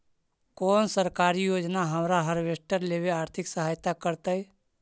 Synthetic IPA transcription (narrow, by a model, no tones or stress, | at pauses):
kɔːnsəɾkaːɾijoːd͡ʒnaɦɐmɾaɦəɾʋeʃʈəɾleːʋeaːɾt̪ʰɪksəɦaːjt̪akəɾt̪aɛ